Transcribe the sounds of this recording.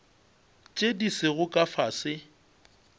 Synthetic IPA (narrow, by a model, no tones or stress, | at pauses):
t͡ʃʼedisɪɣʊkʼafasɪ